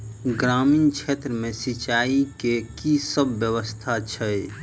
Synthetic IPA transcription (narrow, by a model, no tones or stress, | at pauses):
ɡɾaminkt͡ʃʰet̪ɾəmẽsit͡ʃaikekisəbːjəwəst̪ʰat͡ʃʰəj